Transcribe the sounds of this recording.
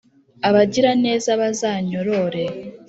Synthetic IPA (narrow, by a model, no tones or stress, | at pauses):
aβaɟiɾane̞ːzaβazaːɲo̞ɾoɾe̞